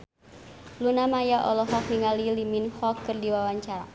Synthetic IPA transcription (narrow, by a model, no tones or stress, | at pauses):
lunamajaʔɔlɔɦɔk̚niŋaliliminhɔkːɨrdiwawaɲt͡ʃaɾa̰